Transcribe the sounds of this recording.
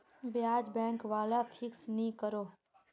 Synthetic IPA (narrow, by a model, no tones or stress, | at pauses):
bjaːd͡ʒbɛ̃ːŋkʋaːlapʰɪksnəĩkəɾoː